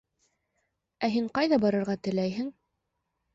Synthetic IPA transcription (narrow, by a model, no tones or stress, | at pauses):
æɦiɴqɑjðɑbɑɾɤ̆ɾʁɑt̪ɘ̆læjɦɘŋ